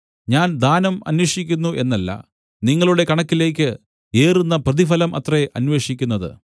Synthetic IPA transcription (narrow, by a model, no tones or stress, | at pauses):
ɲaːnd̪aːnɐmɐ̰nweːʂikʲːunːuʔe̞nːɐlːɐ̰ | niŋːɐɭuɽe̞kɐɳɐkːile̞ːk̬ʲːɨ | eːrunːɐprɐðifɐlɐmʔɐ̰t̪reʔɐnʋe̞ːʂikʲːunːɐðɨ̰